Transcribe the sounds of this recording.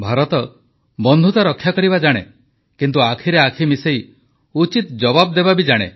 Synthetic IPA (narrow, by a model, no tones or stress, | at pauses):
bʱaɾɔt̪ɔ | bɔnd̪ʱut̪aɾɔkʰːjakɔɾibad͡ʒaɽ̃ḛ | kint̪uakʰiɾeakʰimisej | ut͡ʃit̪d͡ʒɔbab̚d̪ebabid͡ʒaɽ̃ḛ